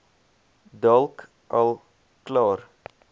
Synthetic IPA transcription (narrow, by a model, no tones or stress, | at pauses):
d̪ɑlk | ʔɑl | klɑːɾ